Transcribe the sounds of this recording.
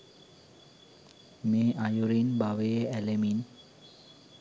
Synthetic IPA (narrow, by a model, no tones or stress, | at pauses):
meʔajuɾinbaʋeeɛlemin